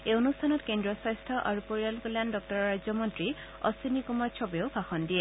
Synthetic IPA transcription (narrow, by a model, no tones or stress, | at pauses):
eonustʰanɔtkendɹɔsɔjstʰɔʔaɹupoɹialkuljandɔk̚tɔɹɔɹajzɔmɔntɹi | ɔ̰sinikumɔɹt͡ʃʰɔbeoʊbʱaxɔndijɛ